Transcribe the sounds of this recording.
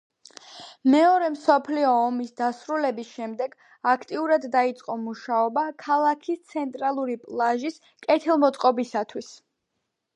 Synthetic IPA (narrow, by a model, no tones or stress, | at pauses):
mɛɔɾɛmsɔpʰliɔːmisd̪asɾulɛbisʃɛmd̪ɛɡ | akʰt̪ʼiuɾad̪ːait̪sʼqʼɔmuʃaɔbakʰalˠakʰist̪sʰɛnt̪ʼɾalˠuɾipʼlˠaʒis | kʼɛt̪ʰilˠmɔt̪sʼqʼɔbisat̪ʰwis